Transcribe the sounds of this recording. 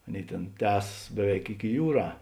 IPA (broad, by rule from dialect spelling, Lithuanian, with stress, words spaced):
ˈɑːˌnʲeːɪ ˈtʲeːn ˈtʲæːsɐs ˈbʲæːˌʋʲɛɪk ɪkʲɪ ˈjuːˌrɑː